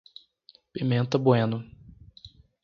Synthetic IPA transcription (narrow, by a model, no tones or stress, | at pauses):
pimẽnt̪ɐboẽnʊ